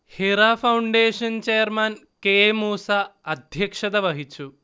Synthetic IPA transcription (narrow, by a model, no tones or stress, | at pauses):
heɾafauɳɖeːɕɐnt͡ɕejəɾman | kemuːsaɐd̪ʱjɐkʂɐd̪ɐʋɐɦit͡ɕu